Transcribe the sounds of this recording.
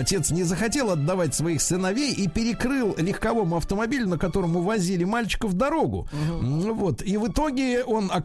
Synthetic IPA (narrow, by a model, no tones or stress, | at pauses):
ɐtʲe̞t̪snʲɪzəxɐtʲe̞lˠɐd̪ːɐvatʲsvɐixsɨnɐvʲejʔipʲɪɾʲɪkɾɨlˠlʲɪxkɐvo̞mʊɐft̪əmɐbʲilʲʊnəkɐt̪o̞ɾəmʊvɐzʲilʲɪmalʲt͡ɕɪ̥kəvd̪ɐɾo̞ɡʊ̰ | vo̞t̪ivɨt̪o̞ɡʲɪo̞nɐ